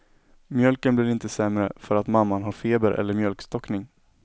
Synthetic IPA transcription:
mjœlkənblɪɾɪnt̪əsɛmɾə̰fœɾat̪mamːanɦaɾfeːbəɾʔɛ̰lːəɾmjœlkst̪ɔknɪŋ

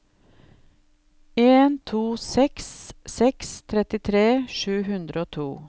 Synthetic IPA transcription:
eːnt̪ʰuːsɛkssɛkst̪ʰɾɛt̪ɪt̪ʰɾeːʃʉːhʉnd̪ɾəoːt̪ʰuː

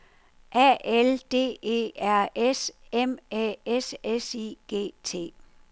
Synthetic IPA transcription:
ʔæeld̥e̝̰ːe̝̰ːæɐ̰esemeesesiɡ̥e̝̰ːt͡sʰe̝̰ː

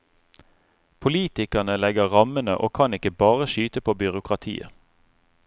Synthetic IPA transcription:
pʰʊliːt̪ɪkənəlɛɡəʁɑmənə̰ʔoːkʰɑnɪkəbɑːʁəʃyːt̪əpʰoːbʏʁʊkʁɑt̪ʰḭːə̰

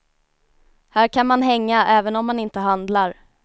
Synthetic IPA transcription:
hæːɾkʰanmanɦɛŋːaʔɛːvənɔmːanɪnt̪əɦand̪laɾ

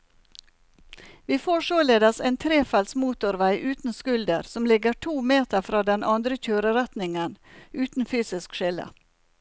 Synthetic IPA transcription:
ʋiːfoːʂoːleːd̪ɑseːnt̪ʰɾeːfɛlsmuːt̪ʊɾʋæɪʔʉːt̪n̩skʉld̪əɾsɔmlɪɡəʈʰuːmeːt̪əɾfɾɑːd̪ɛnʔɑnd̪ɾəc͡çøːɾəɾɛt̪nɪŋənʔʉːt̪n̩fyːsɪskʃɪlə̰

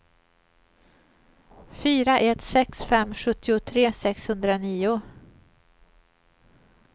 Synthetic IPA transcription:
fyːɾaʔɛt̪sɛksfɛmːɧɵt̪ːɪʊt̪ʰɾeːsɛkshɵnd̪ɾaniːʊ

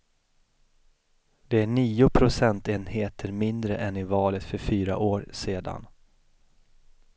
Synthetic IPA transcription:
d̪̥ɛæɳiːʊpʰɾʊsɛnt̪eːnheːt̪ʰəɾmɪnd̪ɾəʔɛnɪvɑːlət̪fœɾfyːɾa̰ʔoːɾseːd̪a̰n

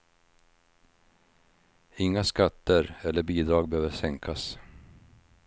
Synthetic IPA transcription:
ɪŋːaskat̪ːəɾɛlːəɾbiːd̪ɾɑːɡbɛhøːvəʂɛŋkʰas

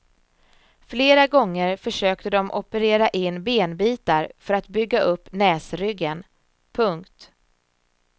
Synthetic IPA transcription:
fleːɾaɡɔŋːəɾfœʂøːk̚t̪əd̪ɔmʔɔpəɾeːɾaʔɪnːbeːnbiːt̪aɾfœɾat̪bʏɡːaʔɵpːnɛːsɾʏɡːən | pʰɵŋkt̪

